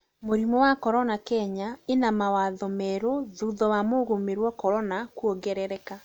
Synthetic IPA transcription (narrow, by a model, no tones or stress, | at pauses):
moɾimɔwakɔɾɔnakɛɲaenamawaðɔmɛɾoðuðɔwamoɣomeɾwɔkɔɾɔnakuɔɡɛɾɛɾɛka